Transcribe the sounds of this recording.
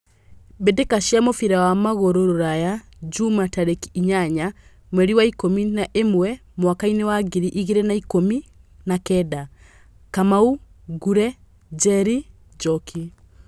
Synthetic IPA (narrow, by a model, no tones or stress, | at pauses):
bedekaʃjamofiɾawamaɣoɾoɾoɾaja | d͡ʒumataɾekiiɲaɲa | mwɛɾiwaikominaʔemwɛmwakainewaɡiɾiʔiɣiɾenaikominakɛda | kamauɡuɾɛ | d͡ʒɛɾi | d͡ʒɔki